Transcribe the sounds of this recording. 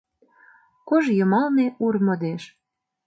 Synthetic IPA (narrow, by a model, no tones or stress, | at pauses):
koʒjɤ̆mɑlneurmɤ̆d̪eʃ